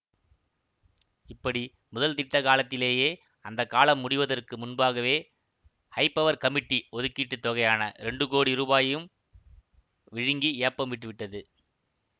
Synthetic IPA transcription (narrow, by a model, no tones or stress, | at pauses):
ɪpːɐɽi | mʊðɐlt̪ɪʈːɐkaːlɐt̪ːɪleːjeː | ɐnd̪ɐkːaːlɐmːʊɽɪʋɐðɐrkɯmʊnbaːɣɐʋeː | hɐɪpːɐʋɐɾkɐmɪʈːiɔðɯkːiːʈːɯt̪ːɔɣɐjaːnɐɾɛɳɖɯkoːɽiɾuːbaːjjɯm | ʋɪɻɪŋɡiɪːɐpːɐmʋɪʈ̬ːɯʋɪʈːɐðɯ